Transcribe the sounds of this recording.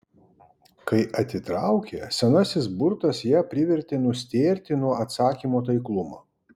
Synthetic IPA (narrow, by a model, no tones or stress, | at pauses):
kɐɪʔɐt̪ʲɪt̪ɾɑʊkʲeːsʲɛnɐsʲɪsbʊɾt̪ɐsjæːpʲɾʲɪʋʲɛɾʲt̪ʲeːnʊsʲt̪ʲeːɾʲt̪ʲɪnuɔɐt̪sɑːkʲiːmoːt̪̬ɐɪklˠʊmo̰ː